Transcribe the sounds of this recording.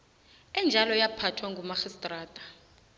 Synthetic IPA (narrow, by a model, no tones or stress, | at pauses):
ɛnd͡ʒʱalɔjapʰatʰwaŋɡʱumaxistʼraːtʼḁ